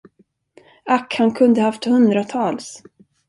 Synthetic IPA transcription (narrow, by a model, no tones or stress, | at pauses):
akhankʰɵnd̪əhaft̪hɵnd̪ɾat̪ʰɑːls